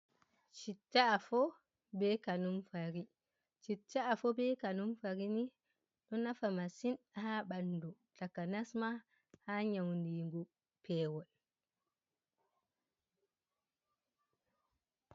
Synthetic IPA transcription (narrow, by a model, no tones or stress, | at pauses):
t͡ʃitːaːfɔ | bɛkanumfaɾi | t͡ʃitːaːfɔbɛkanumfaɾini | ɗɔnafamasin | haɓanːdu | takanasma | haːɲawndiːŋɡu | pʰɛːwɔl